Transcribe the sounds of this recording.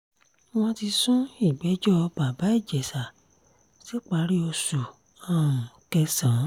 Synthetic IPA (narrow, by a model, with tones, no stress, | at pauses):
w̃ɔ̃˧ti˧sũ˦i˦˨ɡ͡bɛ˨˦d͡ʒɔ˦˧ba˨ba˨˦i˦˨d͡ʒɛ˨sa˨ | si˨˦k͡pa˧˦ɾi˦ɔ˧su˨ | ã˦˨ũ˨kɛ˧sã˨˦